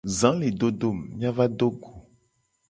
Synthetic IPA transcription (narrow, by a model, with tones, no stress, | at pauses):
zã˨˦le˨ɖo˦ɖo˦˨mːĩ˦ã˦va˦ɖo˦ɡo˨